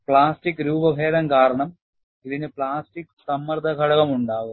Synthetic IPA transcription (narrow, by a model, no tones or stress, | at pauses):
pɭaːsʈikːɾuːbɐbʱeːɾɐmkaːɾɐɳɐm | iðinɨpɭaːsʈikːsɐmːɐrd̪ʱɐkɐɽɐɣɐmuɳɖaːɣu